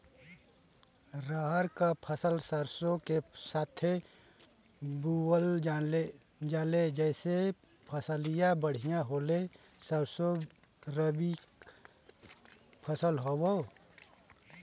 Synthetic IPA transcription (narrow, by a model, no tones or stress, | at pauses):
ɾaɦəɾkapʰəsəlsəɾsõkesaːt̪ʰe | buwəle | d͡ʒaːled͡ʒɛːse | pʰəsəlijabəɽ̤ijãɦoːle | səɾso | ɾəbi | pʰəsəlɦowo